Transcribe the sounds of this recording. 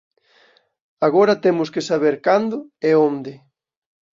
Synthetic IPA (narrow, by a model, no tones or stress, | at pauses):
aɣoɾɐt̪emʊskesaβ̞eɾkand̪ʊɛond̪ɪ